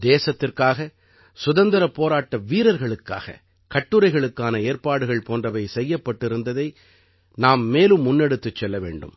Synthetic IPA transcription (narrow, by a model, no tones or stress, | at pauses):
d̪eːsɐt̪ːɪrkaːɣɐ | sʊðɐnd̪ɐɾɐpːoːɾaːʈːɐʋiːɾɐɾɣɐɭɯkːa̰ːɣɐ̰ | kɐʈːɯɾɐɪɣɐɭɯkːaːnɐeːɾpaːɽɯɣɐɭpoːndrɐʋɐɪsɛjːɐpːɐʈːɪɾɯnd̪ɐðɐɪ | naːmːeːlɯmːʊnːɛɽɯt̪ːɯt͡ʃːɛlːɐʋḛːɳɖɯ̰m